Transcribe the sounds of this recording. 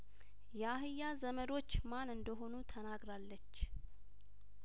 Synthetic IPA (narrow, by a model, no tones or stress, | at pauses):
jɛaɦɨjːazəməɾo̞t͡ʃːmanɨnd̪əɦo̞nut̪ʰənaɡɾalːət͡ʃː